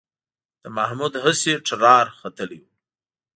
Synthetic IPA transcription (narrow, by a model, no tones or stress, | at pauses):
d̪̥əmahmud̪ɦəseʈ͡ʂɾɑɾxat̪əliwu